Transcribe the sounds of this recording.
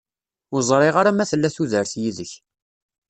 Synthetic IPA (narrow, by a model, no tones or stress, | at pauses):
ʊɾzˤɾˤɪʁaɾamæθəlːæθuðəɾθjiðəç